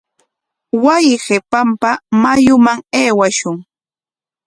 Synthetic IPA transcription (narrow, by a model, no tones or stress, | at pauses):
wajɪɢepampamajʊmaŋeːwaʃʊŋ